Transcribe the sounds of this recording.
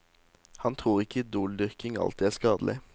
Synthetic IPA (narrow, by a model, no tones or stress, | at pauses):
hɑnt̪ʰʁuːʁɪkʰəd̪uːld̪ʏʁkɪŋɑ̰lt̪iːæːskɑːd̪l̩ʔɪ̰